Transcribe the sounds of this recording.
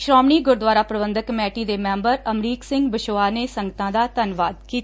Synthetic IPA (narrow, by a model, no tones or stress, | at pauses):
ʃɾɔːmɳiːɡʊɾd̪ʋaːɾaːpɾəbənd̪əkmɛːʈiːd̪eːmɛ̃ːmbəɾəmɾiːksɪ̃ŋɡbɪʃoːaːneːsəŋɡət̪ãːd̪aːt̪ənʋaːd̪̚kiːt̪ː